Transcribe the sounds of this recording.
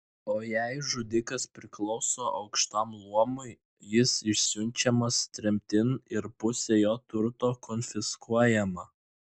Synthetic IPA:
oːjæɪʒʊd̪ʲɪkɐspʲɾʲɪklˠɔʊsoːʔɐʊkʃt̪ɐmlˠuɔmʊɪ | jɪsɪʃʲsʲʊnʲˑt͡ʃʲɛmɐst̪ʲɾʲɛmʲt̪ʲɪnɪɾpʊsʲeːjoːt̪ʊɾt̪oːkɔnʲfʲɪskuɔjɛmɐ

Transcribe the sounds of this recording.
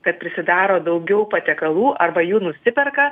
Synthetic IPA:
kɐt̪̚pʲɾʲɪsʲɪd̪ɑːɾoːd̪ɐʊɡʲɛʊpɐt̪ʲɛkɐlˠuːʔɐrbɐjuːnʊsʲɪpʲɛrkɐ

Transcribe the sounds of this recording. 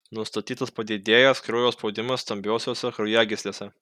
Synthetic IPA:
nʊst̪ɐt̪ʲiːt̪ɐspɐd̪ʲɪd̪ʲeːjɛskɾoːjoːsspɒʊd̪ʲɪmɐsːst̪ɐmʲbʲɛʊsʲoːsʲɛkɾɐʊjæɡʲɪsʲlʲeːsʲɛ

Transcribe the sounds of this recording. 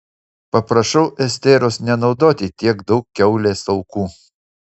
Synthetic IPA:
pɐpɾɐʃɐʊʔɛsʲt̪ʲeːɾosnʲɛnɒʊd̪oːt̪ʲɪt̪ʲiɛɡd̪ɐʊkʲkːʲɛʊlʲeːsɐʊkuː

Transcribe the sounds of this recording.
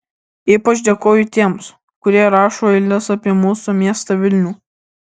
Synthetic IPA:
iːpɐt͡ʃd̪ʲeːkoːjʊt̪ʲiɛms | kʊɾʲiɛɾɑːʃoːɪlʲnʲɪsɐpʲiɛmuːsumʲiɛst̪ɐʋʲɪlʲnʲuː

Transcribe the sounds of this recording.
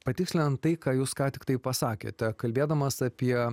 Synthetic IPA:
pɐt̪ʲɪksʲlʲɪnɐnt̪t̪ːɐɪkɑːjuːskɑːt̪ʲɪkt̪ɐɪpɐsɑːkʲḛːt̪ʲɛkɐlʲbʲeːd̪ɐmɐsɐpʲiɛ

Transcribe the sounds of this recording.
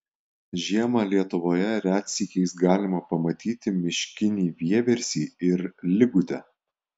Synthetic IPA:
ʒʲiɛmɑlʲiɛt̪ʊʋoːjɛɾʲæːt̪ʲsʲiːkʲɛɪsɡɑːlʲɪmɐpɐmɐt̪ʲiːt̪ʲɪmʲɪʃʲkʲɪnʲiːʋʲiɛʋʲɛɾʲsʲiːɪɾlʲɪɡʊt̪ʲɛ

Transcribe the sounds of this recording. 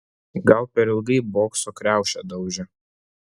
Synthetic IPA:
ɡɐlˠpʲɛɾɪlˠɡɐɪboːksokɾʲæˑʊʃʲɛd̪ɐʊʒʲɛ

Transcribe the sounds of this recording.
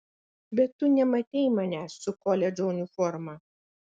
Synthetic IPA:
bʲɛt̪ːʊnʲɛmɐt̪ʲɛɪmɐnʲæːsːʊkɔlʲɛd͡ʒɔʊnʲɪfɔɾmɑː

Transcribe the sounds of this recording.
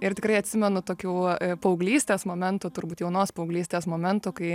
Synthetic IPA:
ɪɾt̪ʲɪkɾɐɪɐt̪ʲsʲɪmʲɛnʊt̪oːkʲuːpɐʊɡlʲiːsʲt̪ʲeːsmoːmʲɛnt̪ʊt̪ʊrbuːt̪jɛʊnoːspɐʊɡlʲiːsʲt̪ʲeːsmoːmʲɛnt̪ʊkɐɪ

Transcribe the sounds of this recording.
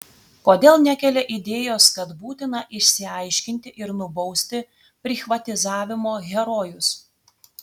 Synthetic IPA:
koːd̪ʲeːlˠnʲækʲɛlʲɛʔɪd̪ʲeːjoːskɐt̪buːt̪ʲɪnɐʔɪʃʲsʲɪɐɪʃʲkʲɪnʲt̪ʲɪʔɪɾnʊbɒʊsʲt̪ʲɪ | pʲɾʲɪxʋɐt̪ʲɪzɑːʋʲɪmoːɣʲɛɾoːjʊs

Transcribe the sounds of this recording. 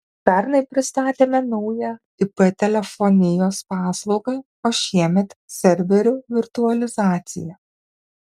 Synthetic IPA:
pʲɛɾnɐɪpʲɾʲɪst̪ɑːt̪ʲeːmʲɛnɐʊjɛ | ɪpɛt̪ʲɛlʲɛfɔnʲɪjoːspɑːslˠɒʊɡɐɪ | oːʃʲiɛmʲɛt̪sʲɛɾʲʋʲɛɾʲuʋʲɪɾt̪ʊɐlʲɪzɑːt̪sʲɪ̰jɛ

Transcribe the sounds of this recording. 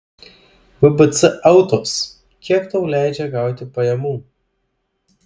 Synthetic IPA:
ʋʲʊbɨt̪sɨʔɐʊt̪oːps | kʲiɛkt̪oʊlʲæˑɪd͡ʒʲɛɡɑˑʊt̪ʲɪpɐjɛmuː

